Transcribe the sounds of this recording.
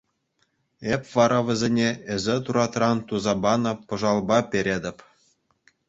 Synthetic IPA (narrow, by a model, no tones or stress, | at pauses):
epʲʋɑɾʔɑʋʲɘ̆zʲenʲeɘ̆zʲĕt̪uɾɑt̪rɑnt̪uzɑbɑnɤ̆pɤ̆ʐɑlˠbɑpʲeɾʲedʲɘ̆pʲ